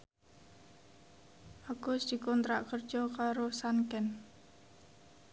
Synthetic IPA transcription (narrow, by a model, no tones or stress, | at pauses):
ʔaɡ̥ʊsd̪̥i̤kɔnt̪ɾaʔkərd̥ʒ̥ɔkaɾosankɛn